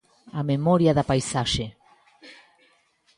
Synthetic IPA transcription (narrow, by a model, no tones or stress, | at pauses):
amemoɾjaðapajsaʃe